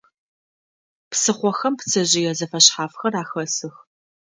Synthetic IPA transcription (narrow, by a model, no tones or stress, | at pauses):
psɨχʷɔxɐmpt͡sʰɐʑɪjɛzɐfɐɕħaːfxɐraːxɐsɨx